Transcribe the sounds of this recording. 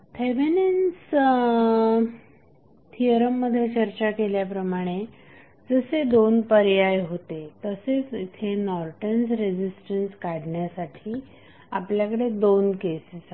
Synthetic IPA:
t̪ʰeʋenens | t̪ʰijəɾəmːəd̪ʱːjet͡ɕəɾt͡ɕakeljapɾəmaɽ̃e | d͡zəsed̪onpəɾjajɦot̪et̪əset͡sit̪ʰenɔɾʈənsɾed͡ʑisʈənskaɽɳjasaʈʰiː | apljakəɽed̪onkesis

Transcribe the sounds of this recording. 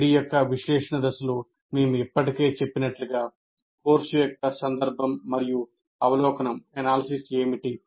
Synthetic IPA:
ɾijokːɐʋiʃlɛːʂɐɳɐd̪ɐsɐlu | meːmuipːɐʈike̞ːt͡ʃe̞pːinɐʈluɡaː | koːɾsujɔk̚kːɐsɐnd̪ɐɾbʱɐmːɐɾiju | ɐʋɐlɔːkɐnɐmenaːlɐsise̞ːmiʈi

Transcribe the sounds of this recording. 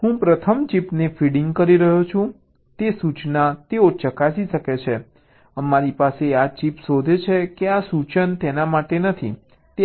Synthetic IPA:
ɦũpɾət̪ʰəmt͡ʃipnefiɽɪŋɡkəɾiɾəɦot͡ʃʰũ | t̪esut͡ʃnat̪eot͡ʃəkasiʃəket͡ʃʰe | əmaɾipaseat͡ʃipsod̪ʱet͡ʃʰekeasut͡ʃənt̪enamaʈenət̪ʰḭ | t̪e

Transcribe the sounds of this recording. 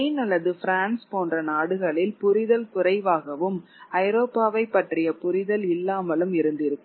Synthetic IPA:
iːnɐɭːɐðɯfɾaːnspoːndrɐnaːɽɯɣɐɭɪlpʊɾɪðɐlkʊɾɐɪʋaːɣɐʋɯm | ɐɪɾoːpːaːʋɐɪpːɐʈrɪjɐpʊɾɪðɐlɪlːaːmɐlɯmɪɾɯnd̪ɪɾɯkː

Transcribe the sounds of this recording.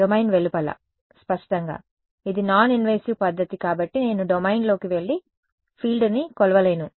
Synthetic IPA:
omɐjnʋeɭːipɐlɐ̰ | spɐʂʈɐŋɡa̰ː | id̪inaːninʋɐjsiʋpɐd̪ʱːɐt̪ikaːbɐʈːine̞ːnuɖomɐjnlo̞ːkiʋe̞ɭːi | pʰiːlɖnikɔlɐʋɐle̞ːnu

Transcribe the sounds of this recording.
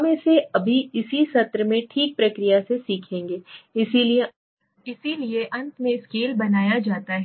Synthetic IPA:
mẽseɐbʱiɪsisɐt̪ɾəmẽʈʰiːk̚pɾɐkɾijasesiːkʰẽːŋɡeːɪsilie | ɪsilieʔɐ̃nt̪mẽɪskeːlbɐnaːjad͡ʒaːt̪aɦɛ

